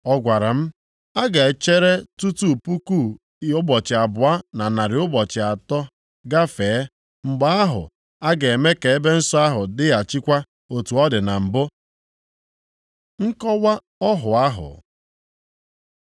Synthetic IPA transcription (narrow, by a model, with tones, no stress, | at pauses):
ɔ˦ɡʷa˨ɾa˨m̩˦ | a˦ɡe˨e˨t͡ʃe˦ɾe˦tu˦tu˦˨pu˦ku˦˨˦ | ʊ˦bɔ˨t͡ʃɪ˨a˨bʊ˨a˦na˨na˨ɾɪ˨ʊ˦bɔ˨t͡ʃɪ˨a˨tɔ˦ | ɡa˦feː˨˦ | ŋ͡m̩˨ɡ͡ba˦a˦ɦʊ̰˨ | a˦ɡe˨e˨me˦ke˨e˦be˦n̩˦sɔ˦a˦ɦʊ˨dɪ˦a˨t͡ʃi˦kʷa˦ | o˨tu˨ɔ˦dɪ˨na˨m̩˨bʊ˦ | ŋ̩˦kɔ˦wa˦ | ɔ˦ɦʊ˨a˦ɦʊ̰˨